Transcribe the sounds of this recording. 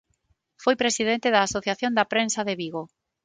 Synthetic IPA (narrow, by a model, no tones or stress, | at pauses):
fojpɾesiðent̪ɪðɐːsoθjaθjond̪ɐpɾensaðeβiɣo